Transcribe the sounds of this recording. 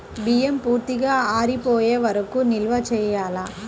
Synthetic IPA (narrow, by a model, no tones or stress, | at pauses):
bijempuːɾt̪iɡaːaːɾipoːjeːʋɐɾɐkunilʋɐt͡ʃɛːjaːlaː